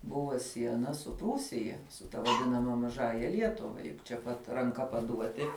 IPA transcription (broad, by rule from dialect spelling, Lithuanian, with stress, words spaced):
ˈbʊʋoː ˈsʲiɛnɐ sʊ ˈpruːsʲɪjɛ sʊ tɐ ʋɐˈdʲɪnɐmɐ mɐˈʒɑːjɛ ˈlʲiɛtʊʋɐ t͡ʃʲɛ ˈpɐt rɐŋˈkɐ pɐˈduɔtʲɪ